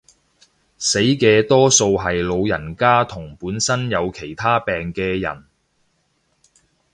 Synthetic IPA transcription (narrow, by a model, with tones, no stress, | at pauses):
se˨˥jkɛː˧t̪ɔː˥so˧wɦɐ˨jlo˨˧wjɐ˨˩nkaː˥t̪ʰʊ˨˩ŋpuː˨˥nsɐ˥njɐ˨˧wkʰe˨˩jt̪ʰaː˥pɛː˨ŋkɛː˧jɐ̰˨˩n